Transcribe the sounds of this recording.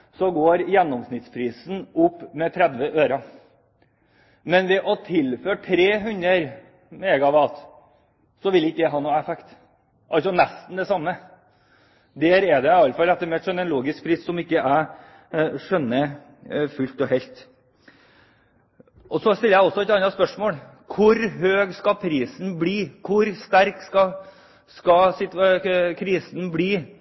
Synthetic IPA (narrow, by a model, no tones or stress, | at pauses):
sɔɡoːɾjɛnːɔmsnɪt̪spʰɾiːsnʊpːmɛt̪ʰɾɛd̪ʋəʔøːɾɑ | mɛnʋɛʔɔt̪ʰɪlføːʈʰɾeːɦʉnəɾ | mɛɡɑʋɑlt̪ | sɔʋɪlɪkːəd̪æɦɑːnoːɛfɛkt̪ | ʔɑlsɔnɛst̪n̩d̪ɛsɑmːə | d̪æːɾɛd̪ɛɪɑlfɑlɛt̪ːəɾmɛɛt̪ʂœnːɛnluːɡɪsk̚pʰɾiːsːɔmɪkːəʔæ | ʂœnːə | fʉlt̪ɔhɛlt̪ | ʔɔsɔst̪ɪlːəjæɪɔsːɔɛt̪ɑnːɑt̪spœʂmoːl | kʰʊɾɦøːɡskɑpʰɾiːsn̩bliːkʰʊɾst̪æɾkskɑ | skɑsɪt̪kʰɾiːsnbɽiː